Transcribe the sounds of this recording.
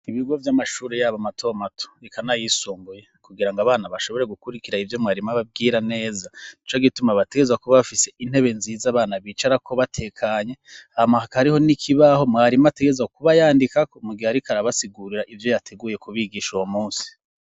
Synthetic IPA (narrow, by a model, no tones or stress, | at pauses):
iβiɡo̞vjamaʃuːɾejaːβamatʰo̞matʰo̥ikʰanajisuːmbujekuɡiɾaŋɡaβaːnaβaʃo̞βo̞ɾe̞ɡukuɾikiɾaivjo̞mŋaːɾimaβab̚ɡiːɾane̞ːzanit͡ʃoɡitumaβate̞ɡe̞zwakuβaβafise̞ʔin̥he̞βe̞nziːzaβaːnaβiːt͡ʃaɾakʰo̞βatʰe̞ːkʰaɲe̞ahamahakahaɾiho̞nikʰiβaho̞mŋaːɾimate̞ɡe̞zakuβajaːndikakomuɡihaɾikʰaɾaβasiɡuɾiɾaʔivjo̞jatʰe̞ɡuːje̞kuβiɡiːʃuwomuːnsi̥